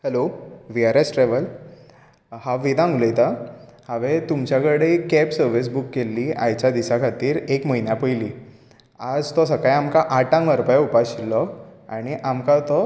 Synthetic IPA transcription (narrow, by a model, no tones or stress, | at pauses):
hɛloʋiaɾesʈɾɛʋəl | haʋʋid̪ãŋɡləjt̪ahaʋet̪umt͡ɕjakəɽekɛpsəɾʋis̬bukːelːiːa̰jt͡ɕad̪isakʰat̪iːɾekməinjapəjliː | ad͡zt̪ɔsəkajamkaʔaʈãŋɡəɾpajaupaɕilːɔaɽ̃iʔamkat̪ɔ